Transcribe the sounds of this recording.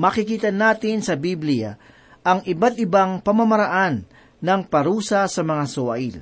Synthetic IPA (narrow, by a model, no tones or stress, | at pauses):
mɐkɪkiːt̪ɐnaːt̪ɪnsɐbiblɪja̰ | ʔɐŋɪbat̪̚ɪbaŋpɐmɐmɐɾɐʔanː | ɐŋpɐɾuːsɐsɐmɐŋasoʔaʔil